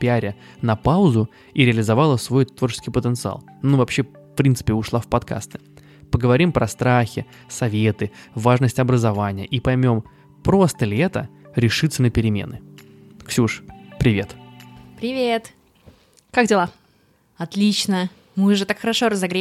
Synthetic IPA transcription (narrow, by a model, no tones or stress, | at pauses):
pʲɪaɾʲɪ | nɐpaʊzʊ | iɾʲɪəlʲɪzɐvalˠəsvo̞jt̪vo̞rt͡ɕɪ̥skʲɪjpət̪ənt̪sɨa̰lˠ | nuvɐpɕːe | fpɾʲint̪sɨ̥pʲɪʊʂlˠafpɐt̪ka̰st̪ɨ̥ | pəɡəvɐɾʲimpɾɐst̪ɾaxʲɪ̰ | sɐvʲe̞t̪ɨvaʐnəsʲtʲɐbɾəzɐvanʲɪjə̰ʔipɐjmʲo̞m | pɾo̞st̪əlʲɪɛt̪ə̰ɾʲɪʂɨt̪sənəpʲɪɾʲɪmʲḛnɨ | ksʲuʂpɾʲɪvʲe̞t̪pɾʲɪvʲet̪ | kakdʲɪlˠa | ɐt̪lʲit͡ɕnə | mɨʊʐɛt̪akxəɾɐʂoɾəzɐɡɾʲe